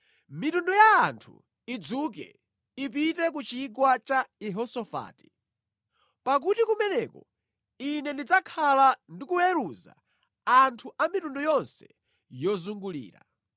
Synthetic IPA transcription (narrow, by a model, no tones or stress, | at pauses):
mitundɔjaːntʰṵ | id͡zuk̬ɛ̰ | ipitɛk̬ut͡ʃiɡwat͡ʃaiɦɔsɔfa̰ːti̥ | pak̬utikumɛnɛkɔ | inɛndid͡zakʰalandikuwɛɾuza̰ | antʰuʔamitundɔjɔnsɛ̥ | jɔzuŋɡulḭːɾa̰